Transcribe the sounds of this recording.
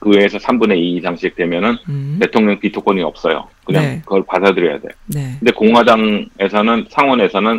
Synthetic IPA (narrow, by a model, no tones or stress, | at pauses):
kɯwe̞ːsʰʌsʰambune̞itaŋɕʰik̚twe̞mjʌnɯnte̞tʰoŋɲʌŋpitʰok͈ʌɲiʌp̚s͈ʌjo̰kɯɲaŋkɯɡʌɭpadadɯɾjʌja̰de̞̰jkɯnde̞koŋɦwadaŋe̞sʰʌnɯnsʰaŋwʌne̞sʰʌnɯn